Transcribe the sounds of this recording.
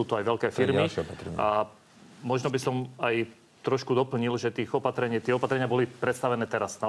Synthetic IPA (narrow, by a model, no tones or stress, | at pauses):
uːt̪ɔajʋɛʎkɛːfiɾmiɾ̰a | mɔʒnɔbisɔmaj | t̪ɾɔʃkud̪ɔpl̩ɲilʒɛt̪iːɣɔpat̪ɾɛɲɪiːt̪ɪɛɔpat̪ɾɛɲɪabɔlipɾɛt̪st̪aʋɛnɛːt̪ɛɾazna